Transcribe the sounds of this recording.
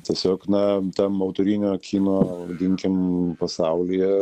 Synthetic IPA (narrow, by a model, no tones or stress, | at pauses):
t̪ʲiɛsʲoːknɐt̪ɐmoʊt̪oɾʲinʲoːkʲʰiːnoːd̪ʲɪŋʲkʲɪmpɐsɑʊlʲijɛ